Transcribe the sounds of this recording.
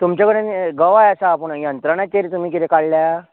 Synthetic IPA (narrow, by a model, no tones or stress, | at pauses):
t̪umt͡ɕakəɽenɡəʋajəsaːpəɳjənt̪ɾaɳãt͡ɕeɾt̪um̤iːk̬it̪ʰekaɽlja